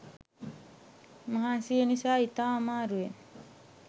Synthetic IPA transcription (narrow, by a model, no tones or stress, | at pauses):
mɐɦaːnsijənisaːit̪aːamaːɾuen